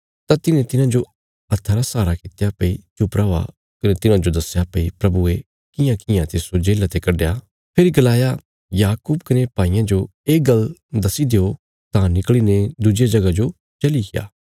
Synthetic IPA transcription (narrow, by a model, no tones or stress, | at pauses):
t̪ãt̪ɪnẽt̪ɪnãd͡ʒo | ɐt̪ʰːəɾasaːɾakɪt̪japɐit͡ʃʊpɾaɦoa̰ | kɐnet̪ɪnãd͡ʒod̪ɐsjapɐipɾɐbue | kɪjãkɪjãt̪esod͡ʒeːlat̪ekɐɖja | pʰeɾiɡɐlaːja | jaːkuːbkɐnepaːijãd͡ʒoeːɡɐld̪ɐsid̪eo | t̪ãnɪkɭined̪ud͡ʒjad͡ʒɐɡad͡ʒo | t͡ʃɐlikɪja̰ː